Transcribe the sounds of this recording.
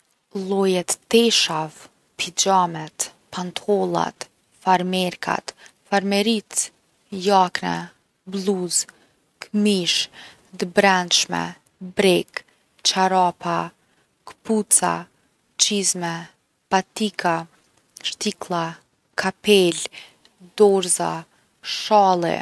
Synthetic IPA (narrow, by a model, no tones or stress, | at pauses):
lˠɔjɛt̪ːɛʃav | pʰid͡ʑamɛt̪ | pant̪ʰɔlˠa̰t̪ | faɾmɛɾkʰa̰t̪faɾmɛɾit̪ | jaknɛ̰ | bluz | kmiʃ | d̪əbɾɛnʃmɛ̰ | bɾɛk | t͡ʃaɾapa | kə̥put͡sa̰ | t͡ʃizmɛ | pat̪ikʰa | ʃt̪iklˠa | kʰapɛl | d̪ɔɾza̰ | ʃalˠɛ̰